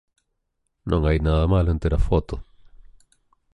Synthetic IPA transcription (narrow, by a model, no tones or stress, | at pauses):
nʔõŋajnaðamalẽnt̪eɾafɔt̪o